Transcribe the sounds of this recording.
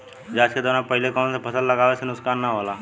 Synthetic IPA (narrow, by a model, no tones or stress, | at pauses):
d͡ʒaːt͡ʃked̪oːnapɐɦɪlekɔːnsepʰɐsəlːɐɡaːʋesenʊkssaːnːaɦoːlaː